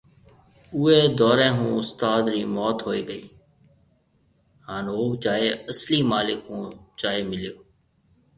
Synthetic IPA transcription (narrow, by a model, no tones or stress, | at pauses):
ʊːeːd̪ɔːɾẽːɦũːʊst̪aːd̪ɾiːmɔːt̪ɦoːiːɡəiː | haːnɦoːd͡ʒaːeːəsliːmaːlɪkɦũːd͡ʒaːeːmɪlijoː